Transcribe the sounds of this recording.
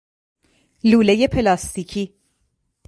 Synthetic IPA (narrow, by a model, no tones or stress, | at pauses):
luːle̞je̞pʰe̞lɒːst̪ʰiːcʰiː